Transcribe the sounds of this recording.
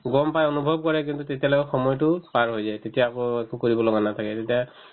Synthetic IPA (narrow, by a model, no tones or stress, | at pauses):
ɡɔmpajonubʱɔb̚kɔɹɛkintutetijalokɔxɔmɔjtʊpaɹɦojzajtetijaːkoekukoɹibɔlɔɡanat̪ʰakɛtetija